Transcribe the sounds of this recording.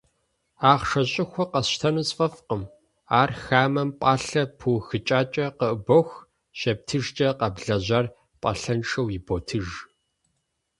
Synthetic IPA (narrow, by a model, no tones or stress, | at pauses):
aːʁʂɐɕʼɪxʷɔqɐstʰɐnusʼfʼɐfqəm | aːrxaːmɐmpʼaːɬɐpʰuːxɨt͡ʃʼaːt͡ʃʼɐqəʔɨboxʷ | ɕɐp̚tʰɨʒt͡ʃʼɐqɐbɮɐʑɐr | pʼɐ̰ɬɐnʈ͡ʂɐwjiboːtʰɨʒ